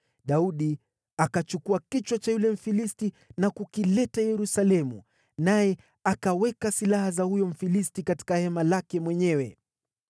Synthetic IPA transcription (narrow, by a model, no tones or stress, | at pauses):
ɗauɗi | akat͡ʃukuakit͡ʃwat͡ʃajulɛm̩filisti | nakukilɛtajɛɾusalɛmṵ | najɛ | akawɛkasilahazahujɔm̩filistikati̥kahɛmalakɛmwɛɲɛwɛ